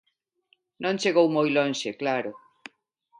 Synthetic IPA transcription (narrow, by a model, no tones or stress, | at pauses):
nõnt͡ʃeɣowmojlõnʃeklaɾo